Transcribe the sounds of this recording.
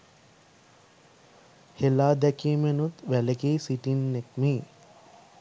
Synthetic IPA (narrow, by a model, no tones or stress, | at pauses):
helaːd̪ækiːmenut̪ʋælekeːsiʈinːek̚miː